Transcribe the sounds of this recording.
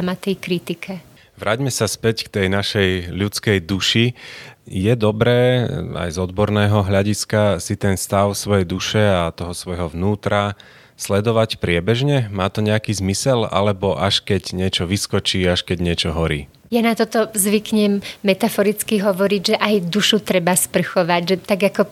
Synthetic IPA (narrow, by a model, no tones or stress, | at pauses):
mat̪ɛjkɾit̪ikʰɛ | ʋɾaːɟmɛsaspɛckt̪ɛjnaʃɛjʎut͡skɛjd̪uʃi | jɛd̪ɔbɾɛːa̰jzɔd̪bɔɾnɛːɦɔɦʎaɟiskasit̪ɛnst̪aʊsʋɔjɛjd̪uʃɛat̪ɔɦɔsʋɔjɦɔʋnuːt̪ɾa | slɛd̪ɔʋacpɾɪɛbɛʒɲɛmaːt̪ɔɲɛakiːzmisɛla̰lɛbɔʔaʃkɛɟɲɪɛt͡ʃɔʋiskɔt͡ʃiːaʃkɛɟɲɪɛt͡ʃɔɦɔɾḭː | janat̪ɔt̪ɔzʋikɲɛmːɛt̪afɔɾit͡skiɦɔʋɔɾiɟʒɛʔajd̪uʃut̪ɾɛbaspr̩xɔʋaɟʒɛt̪aɡakɔ